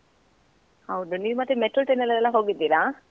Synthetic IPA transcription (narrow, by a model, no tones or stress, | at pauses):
hɐwd̪uniːʋumɐt̪ːɾemeʈɾəlʈenɛlːɛlːɐɦoːɡid̪ːiːɾa